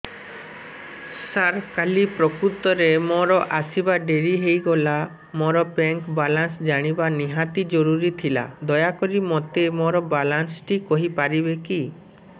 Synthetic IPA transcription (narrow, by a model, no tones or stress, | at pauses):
saɾkalipɾɔkɾut̪ɔɾemoɾɔʔasibaɖeɾiɦejɡɔla | moɾɔbɛŋkbalansd͡ʒaɽ̃ibaniɦat̪id͡ʒɔɾuɾit̪ʰila̰d̪ɔjakɔɾimɔt̪emoɾɔbalansʈikɔɦipaɾibeki